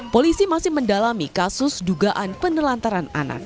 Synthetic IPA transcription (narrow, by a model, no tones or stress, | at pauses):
polisimasɪhməndalamikasʊsduɡaʔanpənəlant̪aɾana̰na̰k̚